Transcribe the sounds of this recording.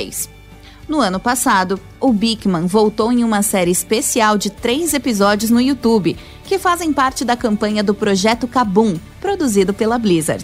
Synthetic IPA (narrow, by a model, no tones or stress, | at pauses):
js | nʊɐ̃nʊpasad̪ʊ | ʊbikmɐ̃vowt̪owẽj̃ũmɐsɛɾɪɪspesiawd͡ʒɪt̪ɾejzepizɔd͡ʒiʊznʊiut̪ubɪ | kɪfazẽj̃paɾt͡ʃɪd̪ɐkɐ̃mpɐ̃ɲɐd̪ʊpɾoʒɛt̪ʊkabũ | pɾod̪uzid̪ʊpelɐblizɐ̰ɾ